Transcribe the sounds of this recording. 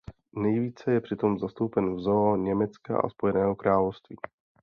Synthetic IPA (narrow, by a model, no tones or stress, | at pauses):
nɛjviːt͡sɛjɛpr̝̥ɪt̪o̞mzast̪owpɛnvzoaɲɛmɛt͡ska̰ʔa̰spo̞jɛnɛːɦo̞kɾaːlofst̪vḭː